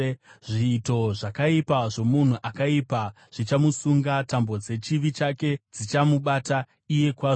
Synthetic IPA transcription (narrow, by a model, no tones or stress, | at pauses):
ʐiːto̞ʐakaipaʐo̞mun̤uʔakaipa | ʐ̥it͡ʃamusuŋɡatambo̞d͡ze̞t͡ʃiʋit͡ʃake̞d͡zit͡ʃamuɓata | ije̞kwa